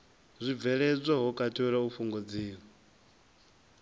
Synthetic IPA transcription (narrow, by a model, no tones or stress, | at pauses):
zʷib̪vɛɺɛd͡zʷaɦɔkʼatʰɔɺaufuŋɡɔd͡ziːɺɔ